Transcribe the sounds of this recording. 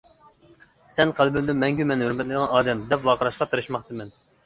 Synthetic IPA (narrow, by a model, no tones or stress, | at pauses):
sɛnqʰælˠbymd̪ɪnmːɛŋɡʲymɛnhøɾmɛt̪lɪd̪əʁɑnɑːd̪ɛmd̪ɛpwɑqʰəɾɑʃqɑt̪ʰɨɾɨʃmɑχt̪ɨmɛn